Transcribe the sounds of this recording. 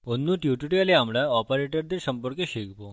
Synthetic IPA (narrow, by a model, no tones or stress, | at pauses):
onːuʈjuʈuʈialeamɭaɔpəɾeʈəɾd̪eɾsəmpəɾkəɕekbo